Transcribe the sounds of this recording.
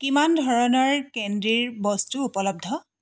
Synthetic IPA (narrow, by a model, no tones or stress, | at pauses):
kimandʱɔɹɔnɔɹkendɹiɹbɔstuupɔlɔb̚dʱɔ